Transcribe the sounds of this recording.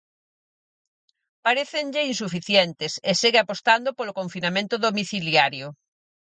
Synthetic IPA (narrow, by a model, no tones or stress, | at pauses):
paɾeθenʎeinsufiθjent̪eseseɣeapost̪and̪opolokoɱfinamẽnt̪oðomiθiljaɾjo